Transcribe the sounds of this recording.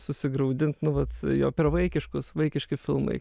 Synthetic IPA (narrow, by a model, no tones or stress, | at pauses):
sʊsʲɪɡɾɐʊd̪ʲɪnt̪nʊʋɐt̪jo̰ːpʲɛɾʋɐɪkʲɪʃkʊsʋɐɪkʲɪʃʲkʲɪfʲɪ̰lˠmɐ̰ɪ